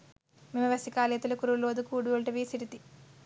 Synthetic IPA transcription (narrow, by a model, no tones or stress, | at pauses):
mimɐʋɐsikaːleːt̪ulɐkuɾuloːd̪ukuːɽuolʈɐʋiːsiʈit̪i